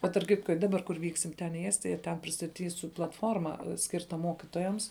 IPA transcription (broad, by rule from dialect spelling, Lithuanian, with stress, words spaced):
ˈbʲɛt tɐrp ˈkʲɪtkoː ɪ ˈdɑːˌbɐr kʊr ˈʋʲiːksʲɪm tʲɛn iː ˈæːsʲtʲɪjɛ ˈtʲɛn pʲrʲɪstɐˈtʲiːsʲʊ plˠɐtˈfoːrmɐ ˈsʲkʲɪrtɐ ˈmoːkʲɪtoːjɛms